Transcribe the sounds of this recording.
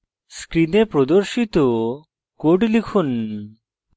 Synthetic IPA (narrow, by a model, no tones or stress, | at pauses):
skɾinepɾɔd̪oɾʃit̪ɔ | koʈlikʰun